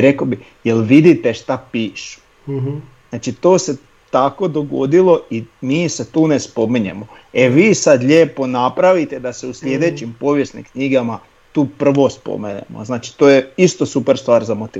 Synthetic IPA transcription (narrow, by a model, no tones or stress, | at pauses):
ɾe̞kobi | jelʋid̪it̪e̞ʃt̪apiːʃu̥ | zaːt͡ʃit̪oːse̞ | t̪ako̞d̪o̞ɡo̞̰d̪ilo̞imiːse̞t̪uːnespo̞miɲḛmo | eʋiːsad̪ʎʲeːpo̞napɾaʋit̪e̞d̪ase̞usʎʲe̞d̪e̞t͡ɕimpoʋjesnḭmkɲiɡama | t̪uːpr̩ʋo̞spo̰miɲḛmo̰znaːt͡ʃi̥t̪oːjeist̪o̞supeɾst̪ʋaːɾzamot̪i